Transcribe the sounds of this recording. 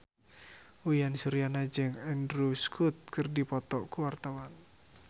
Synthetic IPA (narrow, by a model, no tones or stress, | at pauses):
ujansuɾijanad͡ʒəŋɛndɾuskʰut̪̚kɨrdipɔt̪ɔʔkuwart̪awan